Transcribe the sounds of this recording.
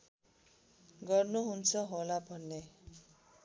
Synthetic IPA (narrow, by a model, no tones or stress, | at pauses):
ɡʌrnuɦunt͡sʰʌɦolabʱʌnːe